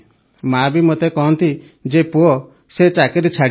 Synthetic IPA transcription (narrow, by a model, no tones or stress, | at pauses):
mabimot̪ekɔɦɔnt̪i | d͡ʒepuɔ | set͡ʃakeɾet͡ʃʰaɽ